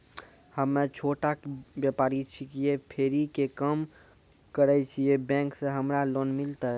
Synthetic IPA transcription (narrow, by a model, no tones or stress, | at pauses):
həmːet͡ʃʰoʈabjəpaːɾit͡ʃʰikijepʰeɾikekəm | kəɾɛt͡ʃʰijebɛ̃ŋksẽɦəmɾalonmilt̪aɛ